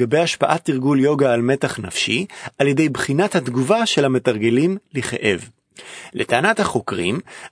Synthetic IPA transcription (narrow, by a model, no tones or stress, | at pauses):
ɡabe̞jaʃpaʔat̪ːiʁɡuljo̞ɡaːlme̞taχnafʃiʔaljedejbχinathat̪ɡuvaʃe̞lame̞taʁɡelimliχḛʔe̞v | letaːnathaχo̞kʁḭm